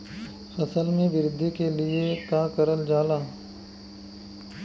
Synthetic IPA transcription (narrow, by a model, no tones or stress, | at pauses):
fɐsəlmẽʋɪɾɪd̪ʱːikeliek̪aːkəɾəld͡ʒaːlaː